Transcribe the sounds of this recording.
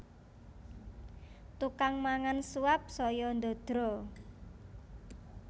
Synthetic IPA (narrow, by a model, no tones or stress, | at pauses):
t̪ukaŋmaŋansuap̚sɔjɔnd̪od̪̥ɾɔ